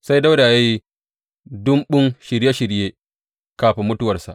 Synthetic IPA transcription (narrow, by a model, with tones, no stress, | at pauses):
sa˦jda˦wda˨ja˦ji˦ | dʊ˦mɓʊ˦ŋʃɪ˨ɾje˦ʃɪ˨ɾjeː˦ | kaː˨ɸe˨mʊ˦tʊ˦wɐ˨rsa̰˨ʔ